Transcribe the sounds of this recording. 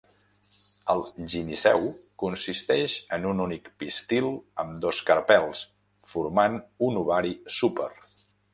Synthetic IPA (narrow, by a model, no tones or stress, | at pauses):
əlˠʒinisɛ̰wkunsist̪ɛʃənununikpist̪ilˠəmd̪oskəɾpɛlˠs | fuɾmanunuβaɾisupə̰ɾ